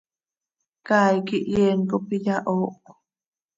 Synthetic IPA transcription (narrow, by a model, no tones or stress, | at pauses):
kaːjkiʔjeːŋkopijaʔoːk